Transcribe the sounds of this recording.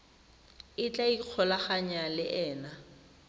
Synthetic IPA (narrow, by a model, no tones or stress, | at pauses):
ɪt͡ɬʼaiq͡χʰɔlaχaɲalɪʔɛːna